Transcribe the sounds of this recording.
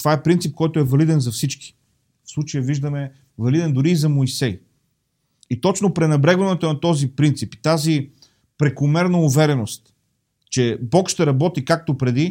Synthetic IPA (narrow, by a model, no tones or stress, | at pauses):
t̪ovaɛpɾint̪sip̚kɔjt̪oɛvɐlid̪ɛnzɐfsit͡ʃki̥ | fslˠut͡ʃəjəviʒd̪əmɛ | vɐlid̪ɛnd̪ʊɾiːzɐmoisɛj | it̪ɔt͡ʃnopɾɛnɐbɾɛɡvɐnɛt̪onɐt̪ɔzipɾint̪sipi̥t̪azi | pɾɛkʊmɛɾnɐʊvɛɾɛnost̪ | t͡ʃɛbɔkʃt̪ɛɾɐbɔt̪ikak̚t̪opɾɛd̪i